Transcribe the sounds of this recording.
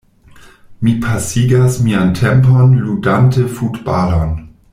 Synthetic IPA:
mipʰasiɡasmiantʰɛmponludantəfutbalon

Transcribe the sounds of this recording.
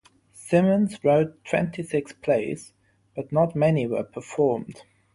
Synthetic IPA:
sɪmə̃nzɹoʊtʰw̥ɛ̰̃ntʰisɪkspʰl̥eɪs | b̥ʌtnətmɛniwə̰˞pʰəfɔɹmd̥

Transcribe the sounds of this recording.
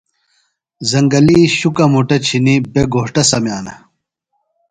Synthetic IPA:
zɐŋɡɐliːɕukɐmuʈɐt͡ɕʰinibeɡoːʈɐsɐmjaːnɐ̰

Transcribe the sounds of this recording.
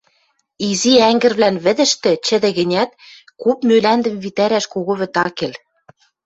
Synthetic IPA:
iziæŋɡɘ̆rβlænβɘ̆d̪ɘ̆ʃt̪ɘ̆t͡ɕɘ̆d̪ɘ̆ɣɘ̆nʲæt̪̚ | kupmølænd̪ɘ̆mβit̪æɾæʃkoɣŏβɘ̆t̪ɑkel

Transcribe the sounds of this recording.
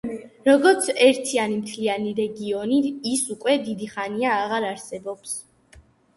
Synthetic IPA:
ɾɔɡɔɾt̪sʰɛɾt̪ʰianimt̪ʰlianiɾɛɡiɔniːsukʼwɛd̪id̪iχaniaːʁaɾaɾsɛbɔps

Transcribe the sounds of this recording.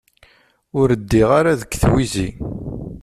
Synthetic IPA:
ʊɾəd̪ːiʁaɾaðəkːθwizḭ

